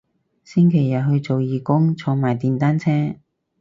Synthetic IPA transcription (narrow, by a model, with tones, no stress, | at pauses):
sɪ˥ŋkʰe˨˩jːɐ˨t̚ɦɵ˧ɥt͡so˨wjiː˨˩kʊ˥ŋt͡sʰɔː˧ŋmaː˨˩jt̪iː˨nt̪aː˥nt͡sʰɛː˥